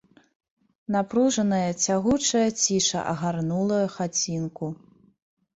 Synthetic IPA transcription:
napɾuʐɐnɐjɐt͡sʲaɣut͡ʂɐjɐt͡sʲiʂɐ̰ʔɐ̰ɣarnulˠɐjɐxat͡sʲinku

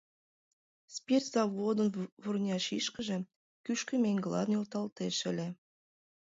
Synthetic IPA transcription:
spʲert̪z̥ɑβod̪ənβurnʲɑʃiʃkə̆ʒĕ | kyʃkə̆mʲeŋʲɡlˠɑ̰d̪njolˠt̪ɑlt̪eʃɘ̆lʲĕ

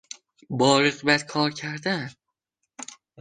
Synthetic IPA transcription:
bɒːɾeqbæt̪kʰɒːɾcʰæɾd̪æn

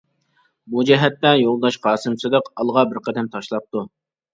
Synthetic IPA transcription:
bud͡ʒɛɦɛt̪ːɛjolˠd̪ɑʃqʰɑːsɨmsɨd̪əqɑlˠʁɑbɪɾqʰɛd̪ɛmt̪ʰɑʃlˠɑp̚t̪u

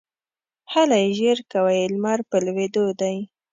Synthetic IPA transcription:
halajeʒeɾkawajlmaɾpəlwed̪od̪aj

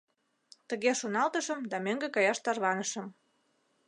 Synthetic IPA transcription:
t̪əɣeʃonɑlt̪əʃə̆md̪ɑmøŋɡekɑjɑʃt̪ɑrβɑnəʃə̆m

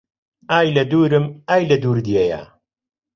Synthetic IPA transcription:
aːjlɐd̪uːɾɨmaːjlɐd̪uːɾd̪jeja̰

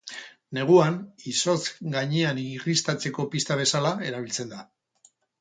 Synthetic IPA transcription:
ne̞ɣ̞uaniso̞zɡaɲeanirist̪at͡se̞ko̞pist̪aβ̞e̞salae̞ɾaβ̞ilt͡se̞nd̪a

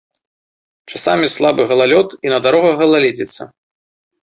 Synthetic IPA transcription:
t͡ʂasamʲislˠabɨɣɐlˠalʲɔt̪inɐd̪aɾɔɣɐɣɐlˠalʲed͡zʲɛt̪sːɐ̰

